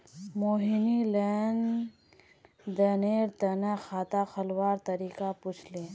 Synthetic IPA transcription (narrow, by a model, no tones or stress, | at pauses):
moːɦinilɛn | d̪əneːɾt̪ənaxaːt̪axʰəlwaːɾt̪əɾiːkapʊt͡ʃʰleː